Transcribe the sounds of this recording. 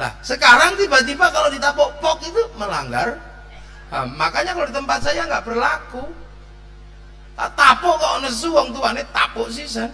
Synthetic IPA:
la̰hsəkaɾaŋt̪ibat̪̬ipakalodit̪apɔʔpɔkit̪uməlaŋɡar | a̰makaɲakaloit̪əmpat̪̚sajaŋɡaʔpərlaku | ka̰t̪apɔʔkaʔonasəsuwɔŋt̪uanet̪a̰pɔʔs̬ihsan

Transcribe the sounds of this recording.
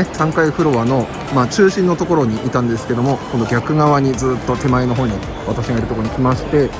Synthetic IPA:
esãŋkaiɸɯ̟ɾo̞βano̞ | maːt͡ɕɨːɕĩnːo̞t̪o̞ko̞ɾo̞ɲ̟iʔit̪ãnd̪e̞sɨ̥ke̞d̪o̞mo̞kõ̞nd̪o̞ɡʲakɯ̟ɡaβaɲ̟id͡zɨːt̪ːo̞t̪e̞mae̞noɦoːɲ̟i | βat̪aɕiɡaiɾɯ̟t̪okooɲikʲimaɕi̥t̪e̞

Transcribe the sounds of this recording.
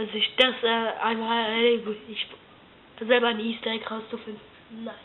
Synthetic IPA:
azɪçd̥asɛːaɪnmaɛlevɪç̥ | azɛlbɐaɪniːstɛɪkʁaʊst͡sufɪndnː | aɪ

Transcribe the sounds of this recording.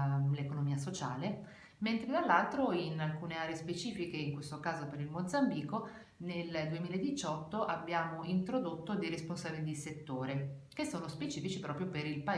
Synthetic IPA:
lekonomiːasot͡ʃa̰ːle | ment̪ɾed̪alːalt̪ɾoinalkuːneaːɾeespet͡ʃiːfikeiŋkwest̪okaːzopeɾilmod̪zambiːko | neld̪uemiːlaed̪it͡ʃɔt̪ːoʔabːjaːmoint̪ɾod̪ot̪ːod̪ejɾesponsaːbilid̪iset̪ːoːɾekesːoːnospet͡ʃiːfit͡ʃipɾɔːpɾjopeɾilpa

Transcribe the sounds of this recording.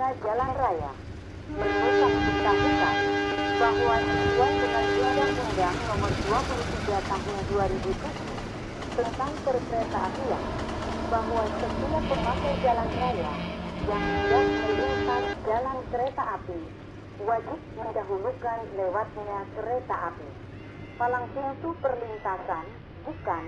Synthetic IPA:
ad͡ʒalanraja̰ | mərbit̪aŋpənt̪aŋuka̰nbaɦwad͡ʒit̪̚uwatəŋanduadaŋtəndaŋt̪ɔɦɔnduapulut̪iɡat̪aɦʊnduaɾibut̪ud | tənt̪aŋpərkəɾet̪aʔapia̰n | baɦwasət̪iapəmasad͡ʒalanrolajaŋədaŋməliŋsand͡ʒalankəɾet̪aʔːpi | wad͡ʒɪt̪̚məndaɦulukanlewat̪̚ɲakəɾet̪aʔapi | palaŋsiŋt̪upərlint̪asan | ɡukan

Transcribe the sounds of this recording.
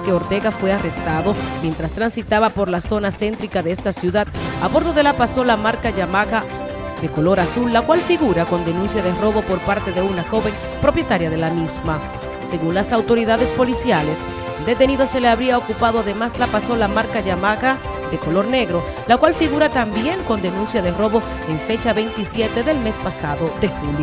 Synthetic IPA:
ke̞o̞ɾt̪e̞ɣafwe̞are̞st̪aðo̞mjent̪ɾast̪ɾansit̪aβapo̞ɾlaso̞nase̞nt̪ɾikaðeest̪asjuðaðaβo̞ɾðoðe̞lapaso̞lamaɾkaʝamaɣa | ðe̞ko̞lo̞ɾasulːakwalfiɣuɾako̞nd̪e̞nũnsjaðero̞βo̞po̞ɾpaɾt̪e̞ðe̞unaxo̞βeŋ | pɾo̞pje̞t̪aɾjað̞e̞lamizma | se̞ɣunlasawt̪o̞ɾiðaðe̞spo̞lisjale̞s | d̪e̞t̪e̞niðo̞se̞leaβɾiaokupaðoaðe̞maslapaso̞lamaɾkaʝamaɣa | ðe̞ko̞lo̞ɾne̞ɣɾo̞ | lakwalfiɣuɾat̪ambje̞ŋko̞nd̪e̞nũnsjaðe̞ro̞βo̞ | eɱfe̞t͡ʃaβe̞jnt̪isje̞t̪e̞ðe̞lme̞spasaðoðe̞xuljo

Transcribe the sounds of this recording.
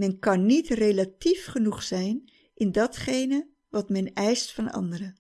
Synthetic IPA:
mɛnkɑnːitrelatifχənuχsɛjn | ʔɪndɑtχejnə | ʋɑtmɛnɛjstfɑnɑ̰ndəɾə

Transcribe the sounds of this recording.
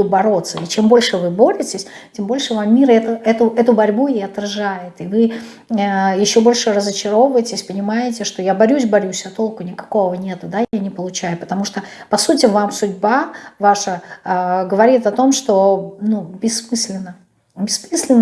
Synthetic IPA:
ʊbɐɾo̞t̪sːəit͡ɕe̞mbo̞lʲʂɨvɨbo̞ɾʲɪtʲɪsʲ | tʲembo̞lʲʂɨvamːʲiɾɛt̪əʔɛt̪ʊɛt̪ʊbɐɾʲbujejɐt̪rɐʐajɪt̪ɨvɨ | jɪɕːo̞bo̞lʲʂɨrəzət͡ɕɪɾo̞vvəjɪtʲɪsʲpənʲɪmajɪtʲɪʂt̪o̞jabɐɾʲus̬ʲbɐɾʲusʲɐt̪o̞lˠkʊnʲɪkɐ̥ko̞vənʲe̞t̪ʊd̪ajanʲɪpəlˠʊt͡ɕæjʊpət̪ɐmuʂt̪opɐsutʲɪvamsʊdʲbavaʂə | ɡəvɐɾʲit̪ɐt̪o̞mʂt̪o̞nubʲɪsːmɨsʲlʲɪnːə | bʲɪsmɨsʲlʲɪnː

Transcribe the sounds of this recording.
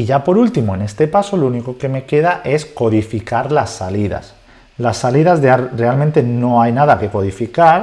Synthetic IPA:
iʝapo̞ɾult̪imoe̞ne̞st̪e̞paso̞louniko̞ke̞me̞ke̞ð̞aʔe̞sko̞ðifikaɾlasːaliða̰s | lasːaliðazðare̞almẽnt̪e̞no̞ajnaðake̞ko̞ð̞ifikaɾ

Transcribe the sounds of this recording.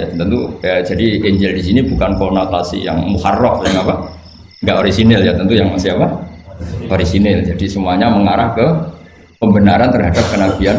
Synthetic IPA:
at̪t̪ənt̪ud͡ʒadieɲd͡ʒɛldis̬inibukankonot̪asḭja̰ŋmuharɔfjaŋapa | ŋɡaʔoɾisinɪljat̪ənt̪ujaŋsəapa | haɾisinɪld͡ʒadisəmuaɲaməŋaɾahkə | pəmbənaɾant̪ərɦadap̚kənaɡian

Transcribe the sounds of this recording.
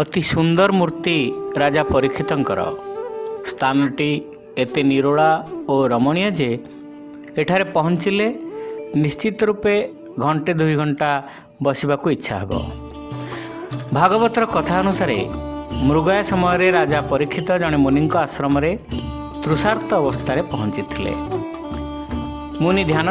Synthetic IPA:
ɔt̪isund̪ɔɾmuɾt̪iɾad͡ʒapɔɾikʰːit̪ɔŋkɔɾɔ̰ | st̪ʰanɔʈi | et̪eniɾoɭaoɾɔmɔɽ̃ijɔd͡ʒeː | ʈʰaɾepɔɦɔnt͡ʃilenist͡ʃit̪ɔɾupe | ɡʱɔɳʈed̪uiɡʱɔɳʈa | bɔsibakuitːʃʰaɦḛbɔ̰ | bʱaɡɔbɔt̪ɔɾɔkɔt̪ʰaɔnusaɾḛmɾuɡɔjasɔmɔjɔɾeɾad͡ʒapɔɾikʰːit̪ɔd͡ʒɔɽ̃emuniŋkɔasɾɔmɔɾe | t̪ɾusaɾt̪ɔːbɔst̪ʰaɾepɔɦɔnt͡ʃit̪ʰilḛ | munid̪ʱjan

